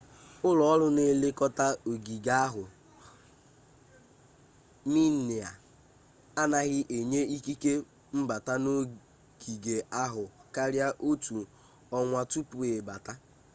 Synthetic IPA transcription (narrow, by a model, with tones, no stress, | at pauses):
ʊ˦lɔ˨ɔ˦lʊ˦ne˦le˦kɔ˦ta˦o˨ɡi˨ɡa˦ɦʊ˨ | mi˦nɪ˨a˨ | a˦na˦ɣɪ˦ʔe˨ɲe˦i˦ki˦ke˦ | m̩˦ba˨ta˦no˦ | ɡ̥i˨ɡe˨a˦ɦʊ˨ka˦ɾja˦ʔo˦tu˨ | ɔ˦ŋʷa˦tu˦pu˨e˨ba˨ta˦